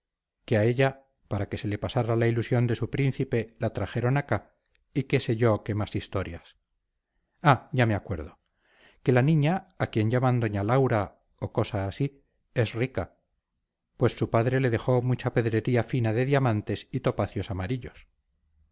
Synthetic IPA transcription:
ke̞ae̞ʎa | paɾake̞se̞le̞pasaɾalailusjo̞nd̪e̞supɾin̟θipe̞lat̪ɾaxe̞ɾo̞naka | ike̞se̞ʝo̞ke̞masist̪o̞ɾjas | aʝame̞akwe̞ɾðo̞ | ke̞lanĩɲaːkje̞ɲʝamand̪o̞ɲalawɾa | oko̞saːsi | e̞srika | pwe̞sːupaðɾe̞le̞ðe̞xo̞mut͡ʃape̞ðɾe̞ɾiafinaðe̞ðjamãnt̪e̞sit̪o̞paθjo̞samaɾiʎo̞s

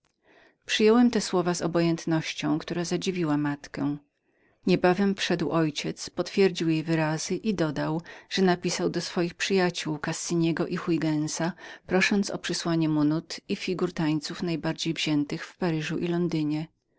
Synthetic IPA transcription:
pʂɘjɔwɛmt̪ɛswɔvazɔ̰bɔjɛnt̪nɔɕt͡ɕɔ̃w̃kt̪uɾazad͡ʑivʲiwamat̪kɛ̃ | ɲɛbavɛmfʂɛd̪wʔɔjt͡ɕɛt̪spɔt̪fʲjɛɾd͡ʑiwjejvɘɾazɘʔid̪ɔd̪awʐ̥ɛnapʲisawd̪ɔsfɔjixpʂɘjat͡ɕuwkasiɲɛɡɔʔixujɡɛnsapɾɔʂɔnt̪sɔ̰pʂɨswaɲɛmunut̪ifʲiɡuɾt̪aɲt̪sufnajbaɾd͡ʑejvʑɛnt̪ɘxfpaɾɘʐuʔilɔnd̪ɘɲɛ

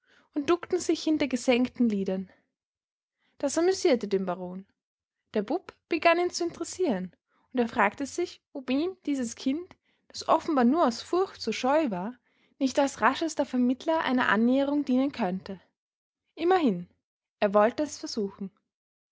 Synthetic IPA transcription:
ʔʊntd̥ʊktn̩z̥ɪçhɪntɐɡəzɛŋktn̩liːdɐn | d̥asamyziːɐtədeːmbaʁoːn | d̥eːɐbʊpb̥əɡaniːnt͡suɪntəʁɛsiːʁən | ʊnteːɐfʁ̥aːktəz̥ɪçʔopiːmd̥iːzəskʰɪnt | d̥asʔɔfn̩baːɐnuːɐaʊsfʊɐçtz̥oːʃɔʏvaːɐ | nɪçtalsʁaʃəstɐfɛɐmɪtʰlɐʔa̰ɪnɐ̰ʔa̰nːɛːəʁ̞ʊŋdiːnənkʰœntə | ʔɪmɐhɪn | ʔeːɐvɔltəɛsfɛɐz̥uːxn̩

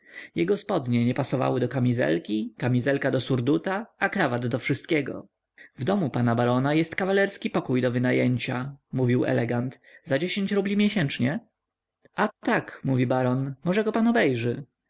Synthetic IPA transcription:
jɛɡɔspɔd̪ɲɛɲɛpasɔva̰wɘd̪ɔkamʲizɛ̰lkʲikamʲizɛlkad̪ɔsuɾd̪ut̪aːkɾavad̪d̪ɔfʂɘst̪̚kʲɛɡɔ̰ | vd̪ɔmupanabaɾɔnajɛst̪kavalɛɾskʲipɔkujd̪ɔvɘnajɛɲt͡ɕamuvʲiwʔɛ̰lɛɡant̪zad͡ʑeɕeɲt͡ɕɾublʲimʲjɛɕɛnt͡ʂɲɛ | at̪akmuvʲibaɾɔnmɔʐɛɡɔpanɔbɛjʐɘ

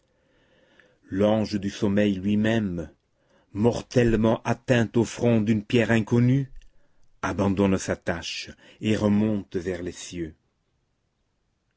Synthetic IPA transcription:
lɑ̃ʒəd̪ysɔmɛjlɥimɛm | mɔʁt̪ɛlmɑ̃ʔat̪ɛ̃t̪ofχɔ̃d̪ynpjɛʁɛ̃kɔny | abɑ̃d̪ɔnsat̪aʃ | eʁəmɔ̃t̪vɛʁlesjø

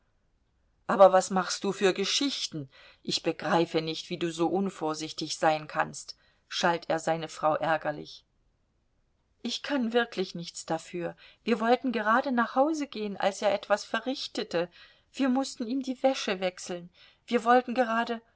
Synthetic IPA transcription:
ʔaːbɐvasmaχst̚d̥uːfyːɐɡəʃɪçtn̩ | ʔɪçb̥əɡʁaɪfənɪçtv̥iːduːzoːʔʊnfoːɐzɪçtɪçz̥aɪənkʰa̰nst | ʃaltḛːɐzaɪnəfʁ̥aʊʔɛɐɡɐlɪ̰ç | ʔɪçkʰanvɪɐkʰlɪçnɪçt͡sd̥afyːɐviːɐvɔltn̩ɡəʁaːdənaːχhaʊzəɡeːənʔa̰lseːɐʔɛtv̥asfɛɐʁɪçtətə | v̥iːɐmʊstn̩iːmdiːvɛʃəvɛksl̩n | viːɐvɔltn̩ɡəʁaːdə

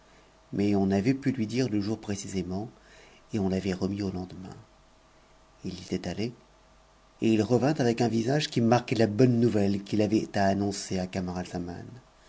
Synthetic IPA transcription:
mɛɔ̃navɛpylɥid̪iʁləʒuʁpχesizemɑ̃ | eɔ̃lavɛʁəmiolɑ̃d̪mɛ̰̃ | ilet̪ɛt̪ale | eilʁəvɛ̃t̪avɛkɛ̃vizaʒkʲimaʁkɛlabɔnːuvɛlkilavɛt̪aːnɔ̃seakamaʁalzama̰n

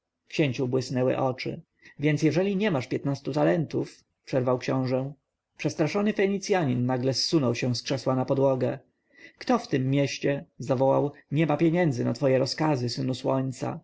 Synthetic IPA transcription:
kɕeɲt͡ɕubwɘsnɛwɘ̰ʔɔt͡ʂɘ̰ | vʲjɛnt̪sjɛʐɛlʲiɲɛmaʂpʲjɛt̪nast̪ut̪alɛnt̪uf | pʂɛɾvawkɕɔ̃w̃ʐɛ | pʂɛst̪ɾaʂɔnɘfɛɲit̪sʲjaɲinːaɡlɛsːunɔwɕɛ̃skʂɛswanapɔd̪wɔɡɛ | kt̪ɔft̪ɘmːʲjɛɕt͡ɕɛzavɔwa̰wɲɛmapʲjeɲɛnd̪zɘna̰t̪fɔjɛɾɔskazɘsɘnuswɔɲt̪sa̰

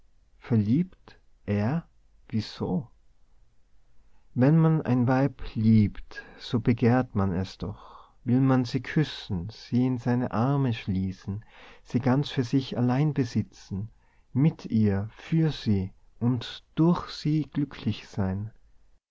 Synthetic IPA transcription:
fɛɐliːpt | ʔeːɐ | viːz̥oː | vɛnmana̰ɪnvaɪpliːptz̥oːbəɡeːɐtmanɛsd̥ɔχ | vɪlmanziːkʰʏsn̩z̥iːɪnzaɪnəʔaɐməʃliːsn̩z̥iːɡant͡sfyːɐzɪça̰laɪnbəzɪt͡sn̩ | mɪtʔiːɐfyːɐz̥iː | ʔʊntd̥ʊɐçz̥iːɡ̥lʏkʰlɪçz̥aɪn

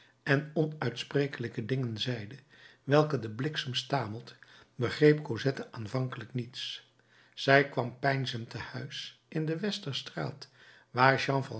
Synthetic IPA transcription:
ʔɛnɔnœɥtsprejkələkədɪŋənzɛjdə | ʋɛlˠkədəblɪksəmstaːməlˠt | bəχrejpkozɛtəʔaːnvɑŋkələknits | z̥ɛjkʋɑmpɛjnzəntəhœɥsɪndəʋɛstəɹstra̰ːt | ʋaːɹʒɑ̃vɑ

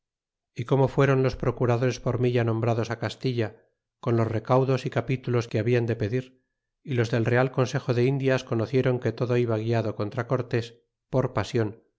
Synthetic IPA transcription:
iko̞mo̞fwe̞ɾo̞nlo̞spɾo̞kuɾaðo̞ɾe̞spo̞ɾmiʎanõ̞mbɾaðo̞sakast̪iʎa | ko̞nlo̞sre̞kawðo̞sikapit̪ulo̞skeaβiand̪e̞pe̞ðiɾ | ilo̞zðe̞lre̞alko̞nse̞xo̞ðeind̪jasko̞noθje̞ɾo̞ŋke̞t̪o̞ðo̞iβaɣ̞iaðo̞ko̞nt̪ɾako̞ɾt̪e̞s | po̞ɾpasjo̞n

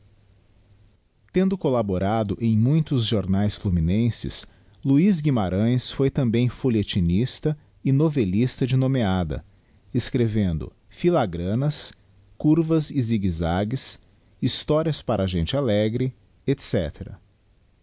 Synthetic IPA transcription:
t̪ẽnd̪ʊkolaboɾad̪ʊʔẽj̃mũj̃t̪ʊzʒoɾnajsflumĩnẽsɪ̰s | luizɡimaɾɐ̃j̃sfojt̪ɐ̃mbẽj̃folet͡ʃinist̪ɐ | ɪnovelist̪ɐd͡ʒɪnomead̪ɐ̰ | eskɾevẽnd̪ʊ̰ | filaɡɾɐ̃nɐs | kuɾvɐziziɡizaɡɪs | ist̪ɔɾiɐspaɾɐʒẽnt͡ʃɪalɛɡɾɪ | et̪sɛ̰t̪ʰeɾɐ̰

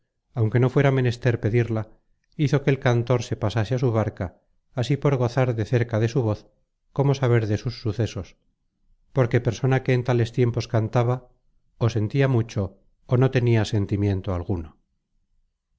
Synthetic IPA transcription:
awŋke̞no̞fwe̞ɾame̞ne̞st̪e̞ɾpe̞ðiɾla | iθo̞ke̞ːlkant̪o̞ɾsepasaseas̬uβ̞aɾkaː | sipo̞ɾɣo̞θaɾðe̞θe̞ɾkaðe̞suβo̞θ | ko̞mo̞saβ̞e̞ɾðe̞susːuθe̞so̞s | po̞ɾke̞pe̞ɾso̞nake̞ːnt̪ale̞st̪je̞mpo̞skant̪aβa | ose̞nt̪iamut͡ʃo̞ː | no̞t̪e̞niase̞nt̪imje̞nt̪oalɣuno̞

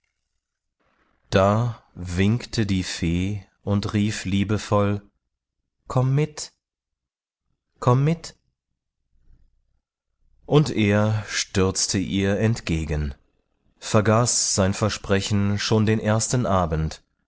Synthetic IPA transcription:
d̥aːvɪŋktʰədiːfeː | ʔʊntʁiːfliːbəfɔl | kʰɔmːɪt | kʰɔmːɪt | ʔʊntʔeːɐʃtʏɐt͡stʰəʔiːɐɛntɡ̥eːɡən | fɛɐɡaːsz̥aɪnfɛɐʃpʁ̥ɛçn̩ʃoːndeːnʔeːɐstn̩ʔaːbn̩t

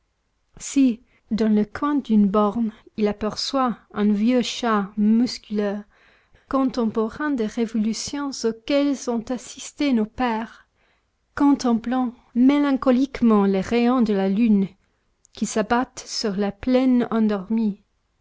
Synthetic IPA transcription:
si | d̪ɑ̃ləkʰwɛ̃d̪ynbɔʁnilapɛʁswaɛ̃vjøʃamyskʲylɛʁ | kɔ̃t̪ɑ̃pɔʁɛ̃d̪eʁevɔlysjɔ̃zokɛlzɔ̃t̪asist̪enopɛːʁ | kɔ̃t̪ɑ̃plɑ̃ | melɑ̃kɔlikmɑ̃leʁeɔ̃d̪əlalyn | kʲisabat̪syʁlaplɛnɑ̃d̪ɔʁmi

